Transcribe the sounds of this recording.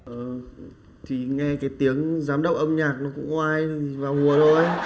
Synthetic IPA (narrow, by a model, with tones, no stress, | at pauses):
ʔəː˨˩ | t̪ʰi˨˩ŋɛ˧kaː˨˦jt̪i˨˦əŋzaː˨˦mɗə̰˨˩wk͡p̚ʔə˧mɲaː˨˩k̚nɔ˨˦˥kʊ̰˧˥ŋ͡mʔʔaː˧jvaː˨˩whu˨˩əzo˧˩